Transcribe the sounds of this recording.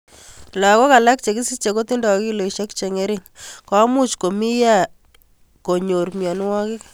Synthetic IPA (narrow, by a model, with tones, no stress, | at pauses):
la˨ko˦ka˨la˦k̚t͡ʃe˨ki˦si˦t͡ʃe˨ko˦t̪i˦ndɔ˨ki˦lo˨i˨ʃe˦kt͡ʃe˨ŋe˦ɾɪ˦ŋka˦mu˦t͡ʃko˨mi˦ja˦˨ | ko˨ɲo˨ɾmjɔ˨n˦wɔ˦kɪ˦k